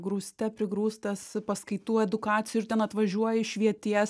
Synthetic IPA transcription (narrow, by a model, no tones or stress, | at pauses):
ɡɾuːsʲt̪ʲɛpʲɾʲɪɡɾuːst̪ɐspɐskɐɪt̪uːɛd̪ʊkɑːt̪sʲɪjuʊɪt̪ʲɛnɐt̪ʋɐʒʲuɔjɪʃʲʋʲiɛt̪ʲiɛs